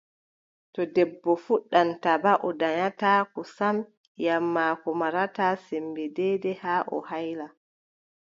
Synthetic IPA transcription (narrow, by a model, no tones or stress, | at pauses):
tɔdɛbːɔfuɗːantabaʔɔdaɲataːkɔsam | jamːaːkɔmaɾataːsɛmbɛdɛːdɛhaːʔɔ̰hajla